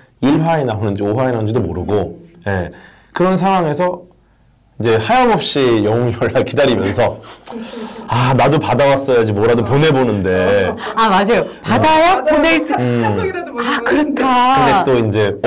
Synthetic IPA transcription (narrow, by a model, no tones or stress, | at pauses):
iɭɸaenaɦunɯnd͡ʑioɦaenaɦund͡ʑidomoɾɯɡoje̞ | kɯɾʌnsʰaŋɦwaŋe̞sʰʌ | ind͡ʑe̞hajamʌp̚ɕ͈ijʌŋuŋjʌɭːakidaɾimjʌnsʰʌ | anadopadawas͈ʌjad͡ʑimwʌɾadopone̞bonɯnde̞amad͡ʑajopadajapones͈ɯ | akɯɾʌtʰakɯnde̞t͈oind͡ʑe̞